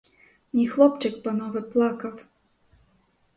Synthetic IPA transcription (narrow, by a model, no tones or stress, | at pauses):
nʲixlˠɔpt͡ʂɨkpanɔvɨplˠakɐw